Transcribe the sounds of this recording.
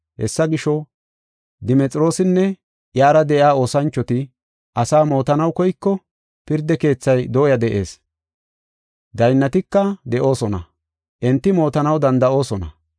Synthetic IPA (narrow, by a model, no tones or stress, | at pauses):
hɛsːɐɡɪʃɔ | d̪ɪmɛt͡sʼɾo̞ːsɪnːɛ | jaːɾɐd̪ɛʔaːo̞ːsɐnt͡ʃːɔt̪ɪ | ʔɐsaːmo̞ːt̪ɐnɐwkɔjkːɔ | pɪɾd̪ɛke̞ːt͡sːɐjd̪o̞ːjɐd̪ɛʔe̞̰ːs | d̪ɐjnːɐt̪ɪkːɐd̪ɛʔo̞ːsɔnɐ | ʔɛnt̪ːɪmo̞ːt̪ɐnɐwd̪ɐnd̪ɐʔo̞ːsɔnɐ̰